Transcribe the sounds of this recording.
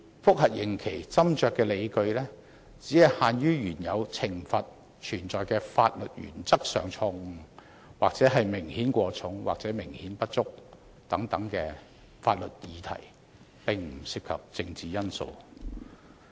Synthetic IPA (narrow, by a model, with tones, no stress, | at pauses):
fʊ˥k̚hɐ˨˩t̚jɪ˨˩ŋkʰe˨˩jt͡sɐ˥mt͡ʃœː˨kːɛː˧le˨˧jkɵ˧ɥlɛː˥ | t͡siː˨˥hɐ˨jhaː˨˧njyː˥ɥyː˨˩njɐ˨˧wt͡sʰɪ˨˩ŋfɐ˨t̚ | t͡ʃʰyː˨˩nt͡sɔː˨jkɛː˧faː˧t̚lɵ˨t̚jy̰ː˨˩nt͡sɐ˥k̚sœː˨˩ŋt͡sʰʊ˧ŋ˨ | waː˨k̚t͡sɛː˨˥ɦɐ˨jmɪ˨˩ŋhiː˨˥nkʷɔː˧t͡sʰʊ˨˥ŋwaː˨k̚t͡sɛː˨˥mɪ˨˩ŋhiː˨˥npɐ˥t̚t͡sʊ˥k̚ | t̪ɐ˨˥ŋt̪ɐ˨˥ŋkɛː˧ | fa̰ː˧t̚lɵ˨t̚jiː˨˧t̪ʰɐ̰˨˩j | pɪ˨ŋm̩˨˩siː˧p̚kʰɐ˨p̚t͡sɪ˧ŋt͡siː˨jɐ˥nso̰˧w